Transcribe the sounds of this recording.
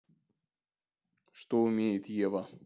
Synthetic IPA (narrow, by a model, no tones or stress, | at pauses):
ʂt̪oʊmʲejɪt̪jevɐ